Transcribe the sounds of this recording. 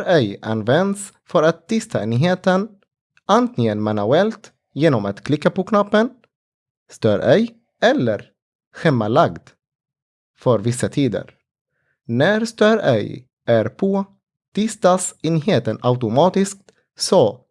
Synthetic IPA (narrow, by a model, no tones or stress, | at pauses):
ɾɛjʔa̰nvɛnd̪s | fœɾat̪ʰːɪst̪ʰaeːnɦeːt̪ən | ant̪ʰɪŋənmanʉɛlt̪ | jeːnɔmat̪kʰlɪkːapɔkʰnapːən | st̪œːɾɛj | ɛlːəɾ | ɧɛmːalaɡd̪ | fœɾvɪsːat̪ʰiːd̪ə̰ɾ | næɾst̪œːɾɛ̰j | ʔæɾpʰo | t̪ʰɪst̪asenɦeːt̪ənaʉt̪ʊmɑːt̪ɪsk̚t̪ | sɔ